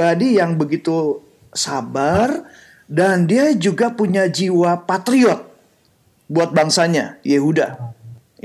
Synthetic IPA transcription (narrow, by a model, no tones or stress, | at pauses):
adijaŋbəɡit̪u | sabar | dandiad͡ʒuɡapuɲad͡ʒiwapat̪ɾiɔt̪̚ | buat̪̚baŋsaɲa̰jeɦuda̰